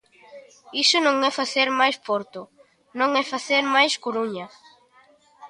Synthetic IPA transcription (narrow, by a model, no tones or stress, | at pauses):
isʊnõŋɛfaθeɾmajspoɾt̪ʊ | nõŋɛfaθeɾmajskoɾuɲɐ